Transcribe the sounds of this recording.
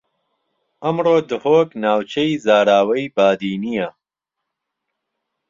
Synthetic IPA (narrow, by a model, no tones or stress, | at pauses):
ɐmroːd̪ɨhoːknaːwt͡ʃʰɐjzaːɾaːwɐjbaːd̪iːnijɐ